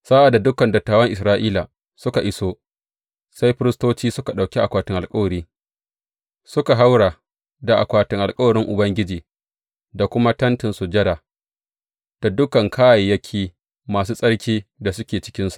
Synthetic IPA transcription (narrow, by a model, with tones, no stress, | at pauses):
sa˦ʔa˨da˨dʊ˦kɐ˨ndɐ˨tːaː˨wɐ˦ŋʔɪ˨sɾaː˦ʔiː˦la˨ | sʊ˦ka˨ʔɪ˦soː˦ | sa˦jɸɪ˦ɾɪ˦stoː˦t͡ʃiː˦sʊ˦ka˨ɗa˨kʲi˦ʔa˨kʷaː˨tɪ˦ŋʔa˨lkʼɐ˦wɐ˨ɾiː˦ | sʊ˦ka˨ɦa˦wɽaː˨ | da˨ʔa˨kʷaː˨tɪ˦ŋʔa˨lkʼɐ˦wɐ˨ɾɪ˦ŋʔʊ˨bɐ˦ŋɡʲɪ˦d͡ʒiː˨ | da˨kʷʊ˦ma˦tɐ˦ntɪ˨nsu˨d͡ʒɐ˦daː˨ | d̥a˨dʊ˦kɐ˨ŋkʰaː˦ja˨jːɐ˦kʲʰiː˦ | maː˨s̬uː˦sʼɐ˦ɽkʲiː˦da˨sʊ˦kʲeː˨t͡ʃɪ̥˦kʲɪ˦nsu̥˨ʔ